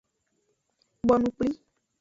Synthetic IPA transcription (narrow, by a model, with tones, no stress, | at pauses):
bɔ˨nũ˨˦k͡pli˦